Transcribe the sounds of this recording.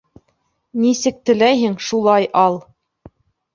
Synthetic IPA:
nisɘk̚t̪ɘ̆læjɦɘŋʃulˠɑjʔɑlˠ

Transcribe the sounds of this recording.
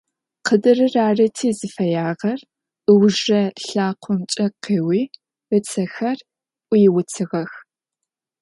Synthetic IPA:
qədɨrɨraːrɐtʰiːzɨfɐjaːʁɐr | ʔɨwʒɐɬaːqʷʰɔmt͡ʃʼɐqeːwiː | rɨt͡sʰɐxɐr | ʔʷʊjɪwʊt͡sʰɨʁɐx

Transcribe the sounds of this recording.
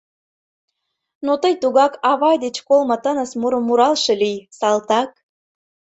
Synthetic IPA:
not̪əjt̪uɣɑkɑβɑjd̪et͡ɕkolmɤ̆t̪ənəsmuɾəmːuɾɑlˠʃelijsɑlt̪ɑk̚

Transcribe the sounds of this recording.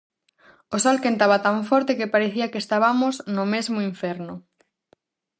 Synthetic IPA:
osɔlkent̪aβɐt̪aɱfɔɾt̪ekepaɾeθiɐkest̪aβamoznʊmezmoiɱfɛɾnʊ

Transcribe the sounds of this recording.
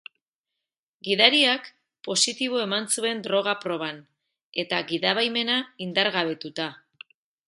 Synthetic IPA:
ɡiðaɾiak | po̞sit̪iβ̞o̞e̞mansue̞nd̪ɾo̞ɣ̞apɾo̞β̞an | e̞t̪aɣiðaβajme̞naind̪aɾɣaβ̞e̞t̪ut̪a

